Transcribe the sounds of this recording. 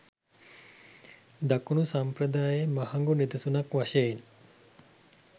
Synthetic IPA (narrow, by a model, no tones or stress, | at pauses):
d̪akunusampɾəd̪aːjemahɐŋɡunid̪ɐsunɐkʋaʃejen